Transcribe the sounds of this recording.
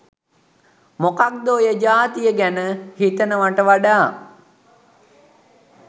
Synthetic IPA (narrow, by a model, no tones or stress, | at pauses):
mokak̚d̪oːjəd͡ʒaːt̪ijəɡænəhit̪ənəʋaʈəʋaɖaː